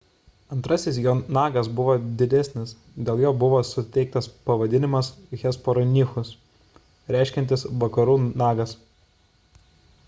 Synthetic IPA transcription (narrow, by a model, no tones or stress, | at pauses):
ɐnt̪ɾɐsʲɪs̬joːnɑːɡɐsbʊʋoːd̪ʲɪd̪ʲæsʲnʲɪs | d̪ʲeːlˠjoːbʊʋoːsʊt̪ʲɛɪk̚t̪ɐspɐʋɐd̪ʲɪnʲɪmɐsɣʲɛspɔɾɔnʲɪxʊs | ɾʲæɪʃʲkʲɛnʲt̪ʲɪsʋɐkɐɾuːnɑːɡɐs